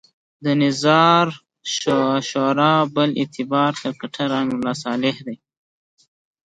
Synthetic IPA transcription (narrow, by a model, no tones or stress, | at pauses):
d̪ənɪzɑɾ | ʃoʃoɾɑbəlɪ̰t̪ʰɪbɑɾt̪əɾkaʈʰaɾaŋɡlɑs̬ɑlɪhd̪aj